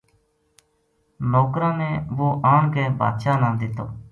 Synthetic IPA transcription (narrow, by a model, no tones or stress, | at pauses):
noːkɾãːnɛːʋoːʔaːɳkeːba̰ːd̪ʃaːnãːd̪ɪt̪o̰ː